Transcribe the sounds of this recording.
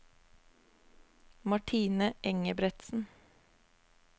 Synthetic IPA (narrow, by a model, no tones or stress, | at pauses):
mɑʈʰiːnəʔɛŋəbɾɛt̪sn̩